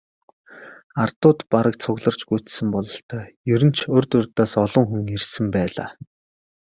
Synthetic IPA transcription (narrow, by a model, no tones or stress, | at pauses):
art̪ʊːt̪paɾə̆k̚t͡sʰʊɣɮə̆r̥t͡ɕɡut͡ɕsɘ̆mpɔɮɞ̆ɬt̪œːjɵɾɘ̆n̥t͡ɕʰɵrt̪ɵrt̪aːsɔɮɞ̆ŋxuŋirsɘ̆mpæːɮa̰ː